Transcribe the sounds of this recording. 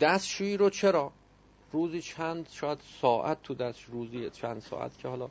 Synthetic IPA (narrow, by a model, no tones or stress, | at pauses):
d̪̥æst̪ʃuːiːɾot͡ʃʰeɾɒː | ɾuːziːt͡ʃʰænd̪ʃɒːjæd̪sɒːʔæt̪̚ʰːud̪æsʃɾuːziːt͡ʃʰænd̪sɒ̰ːʔæ̰t̪cʰehɒːlɒː